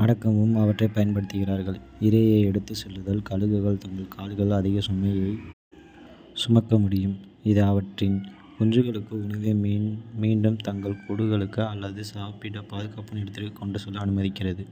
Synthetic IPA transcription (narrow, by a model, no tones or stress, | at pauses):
ɐɽɐkːɐʋɯmɐʋɐʈːrɐɪpɐjɐnpɐɽɯt̪ːɯɣɪraːɾɣɐɭɪɾɐjɐɛɽɯt̪ːɯsɛlːɯðɐlkɐɻɯɣɯɣɐɭt̪ɐŋɡɐɭkʰaːlɯɣɐɭɐðɪɣɐsʊmːɐjɐɪ | sʊmɐkːɐmʊɽɪjɯm | ɪðɯɐʋɐʈrɪn | ʊnrɯɣɐɭɯkːɯʊnɐɣɐmiːɳɖɯmt̪ɐŋɡɐɭpʊɽɯɣɐɭɯkːɯɐlːɐðɯsaːpɪɽɐpaːðɯɣɐpːɯnɛɽɯt̪ːɪɾkɯkːɔɳɖɯsɔlːɐɐnɯmɐðɪkːɪrɐðɯ